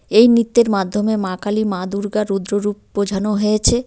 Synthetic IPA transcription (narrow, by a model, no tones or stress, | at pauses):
ejnit̪ːeɾmad̪ʱːomemãkalimãd̪uɾɡaɾud̪ɾoɾup̚ːod͡ʑʱanoɦojet͡ɕʰe